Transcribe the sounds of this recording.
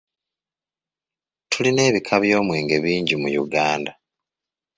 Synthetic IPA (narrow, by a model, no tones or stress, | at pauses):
tuline̞ːβikʰaβjo̞ːmwe̞ːŋɡe̞βiːɲɟimujuɡaːnda